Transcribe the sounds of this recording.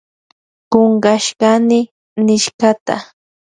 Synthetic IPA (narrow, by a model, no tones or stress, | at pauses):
ɢoɴɢɑʃɢɑnɪ | nɪʃɢɑt̪a̰